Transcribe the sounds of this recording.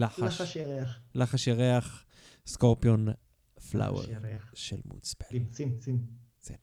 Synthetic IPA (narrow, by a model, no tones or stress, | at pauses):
aaaʃʃelaχaʃjaʁeaχ | skoʁpjon | fla̰wḛʁʃḛlmṵt͡spḁ | t͡sen